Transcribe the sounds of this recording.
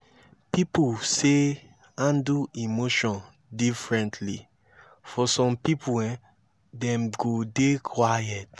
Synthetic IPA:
pipuse | ãnduimoʃɔ̃n | difɹɛ̃ntʰlḭ | fɔsɔ̃mpipʰuɛ̃ | dɛ̃mɡodekʰwajɛt

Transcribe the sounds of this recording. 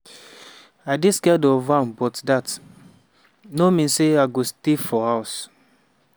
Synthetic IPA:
adiskɛdɔvãmbɔtdat | nomĩnseaɪɡostifɔhaʊs

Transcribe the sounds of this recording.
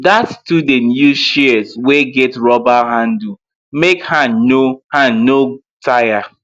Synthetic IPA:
datstudẽnjuʃiəsweɡɛtɹɔbaɦãndu | mekhãnnohãnno | tʰaja

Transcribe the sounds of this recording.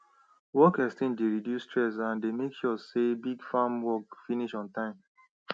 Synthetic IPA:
wɔkɛstĩndeɹidjustɹɛs̬ãndemekʃɔsebiɡfamwɔkfiniʃɔ̃ntãɪ̃m

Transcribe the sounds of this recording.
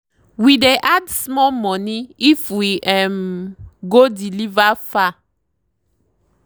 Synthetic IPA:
wideʔadsmɔlmɔ̃niifwiɛmɡodilivafa

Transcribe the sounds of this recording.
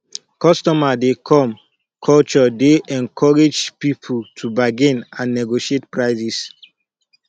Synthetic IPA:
kɔstɔmadekʰɔ̃m | kʰɔlt͡ʃɔdeʔɛ̃nkʰɔɹed͡ʒpipʰutʰubaɡĩnãnːɛɡoʃietpɹaɪzis

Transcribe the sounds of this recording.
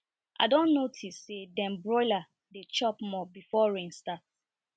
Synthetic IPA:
ʔa̰dɔ̃nːotʰisːedɛ̃mbɹɔɪla | det͡ʃɔpmɔbifɔɹĩnstat̚

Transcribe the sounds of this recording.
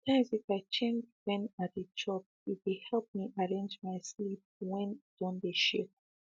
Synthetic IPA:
tʰãɪ̃mzifaɪt͡ʃẽnd͡ʒwɛ̃nat̚dəd͡ʒɔp̚ | it̚wehɛlˠp̚miʔaɹẽnd͡ʒmaɪslip̚wɛ̃nd̥ɔ̃ndeʃip̚

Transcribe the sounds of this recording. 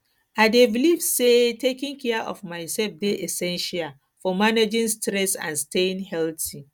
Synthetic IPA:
ʔaɪdevilifsetekɪ̃ŋkʰɛʔɔ̰fmaɪsɛlfdeʔɛsɛ̃nʃial | fɔmaned͡ʒɪ̃nstɾɛsã̰nsteɪ̃nhɛlti

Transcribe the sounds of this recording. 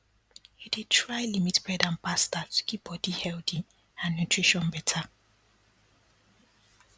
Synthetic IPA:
idetɹajlimitbɹɛdãnpastatʰu̥kʰip̚bɔdihɛldi | ãnːutɹiʃɔ̃nbɛtʰa

